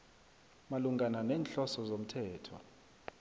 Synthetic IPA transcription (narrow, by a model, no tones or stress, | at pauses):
maluŋɡananɛːnɬɔsɔzom̩tʰɛːtʰɔ̰